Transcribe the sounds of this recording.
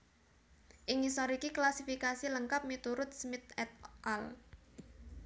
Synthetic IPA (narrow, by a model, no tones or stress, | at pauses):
ʔɪŋisɔɾikiklasifikasiləŋkap̚mit̪uɾʊt̪̚smɪt̪̚ɛt̪̚ʔal